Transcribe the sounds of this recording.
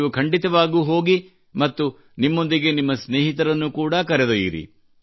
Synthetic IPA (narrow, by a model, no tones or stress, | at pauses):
ʋukʰɐɳɖit̪ɐʋaːɡuɦo̞ːɡi | mɐt̪ːu | nimːo̞nd̪iɡe̞nimːɐsne̞ːɦit̪ɐɾɐnːukuːɽɐkɐɾɛd̪ojḭɾḭ